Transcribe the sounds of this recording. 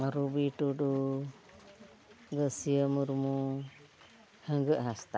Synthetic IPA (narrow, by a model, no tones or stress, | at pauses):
ɾubiʈudu | ɡəsiəmuɾmu | həŋɡəʔɦast̪a